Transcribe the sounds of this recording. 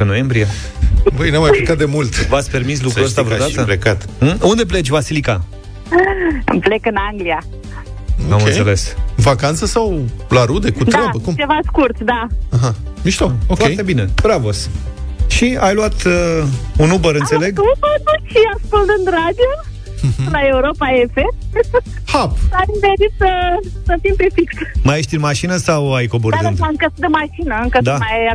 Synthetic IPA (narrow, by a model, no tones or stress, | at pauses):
ɨnojembɾija | bəjnamajplekat̪̚d̪e̞mult̪vat̪sʲpe̞rmis̬lukkuəst̪aɾodat̪əplekat̪und̪e̞p̬le̞t͡ʃʲvasilika̰ | ɨ̰mplekɨnaŋɡlia | oamkɨnensele̞svakant̪səsawlaɾud̪e̞kut̪ɾɾaəkumt͡ʃevaskurt̪d̪aaɦa | miʃt̪okofaejt̪ebinebɾavosʃiajluat̪əunubəɾɨnsele̞ɡubəut͡ʃiaskuld̪ɨnt̪ɾad̪io | laeuɾopaefem | hapaimveɾit̪səsəfimpefiksmajeʃt̪imaʃinəsawajkoboɾɨnt̪aɨŋkəd̪əmaʃinəɨŋkəd̪amaja